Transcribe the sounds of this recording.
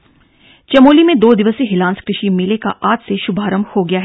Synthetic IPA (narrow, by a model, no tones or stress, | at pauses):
t͡ʃɐmoːlimẽd̪oːd̪ɪʋəseɦɪlãːnskɾɪʃimɪleka̰ʔaːt̪seʃʊbʱaːɾəmhoɡɐjaːɦɛ